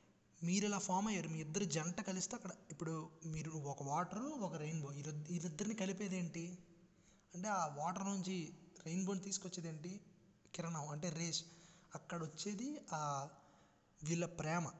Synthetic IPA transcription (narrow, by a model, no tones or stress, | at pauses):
miːɾɛlaːpʰaːmɐjːaːɾumiːid̪ːɐɾud͡ʒɐnɐʈɐkɐlist̪eɐkːɐɽɐipːuɽumiːɾuɔkɐʋaːʈɐɾuɔkɐɾɐjnboːiid̪id̪ːɐɾinikɐlipeːd̪eːɳʈi | ɐɳʈe̞ːaːʋaːʈɐɾnuɲt͡ʃiɾejnboːnt̪iːsu̥kot͡ʃːeːd̪eːɳʈi | kiɾɐɳɐmɐɳʈeːɾeːʃɐkːɐɽɐʋɐt͡ʃːe̞ːd̪iaː | ʋiːɭːɐpɾɛːmɐ